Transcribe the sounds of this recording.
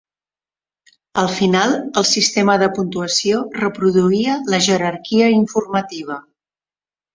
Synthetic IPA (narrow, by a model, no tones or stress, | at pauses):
əlˠfinalˠəlˠsist̪eməðəpunt̪uəsiorəpɾuðuiələʒəɾərkiəiɱfurmət̪iβ̞ə